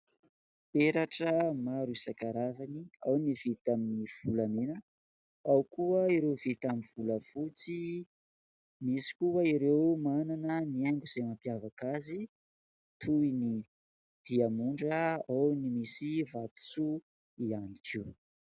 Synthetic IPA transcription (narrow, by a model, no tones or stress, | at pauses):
peɾaʈ͡ʂəmaɾuisakaɾazaniawnivit̪aminiv̥ulamenə | awkuəiɾewvit̪amiv̥uləfut͡si | misi̥kuəiɾewmananəniaŋɡuz̥emampjavakazi | t̪ʰuini | d̪̥iamuɳɖ͡ʐəawnimisivat̪u̥t͡su | ianikʰiw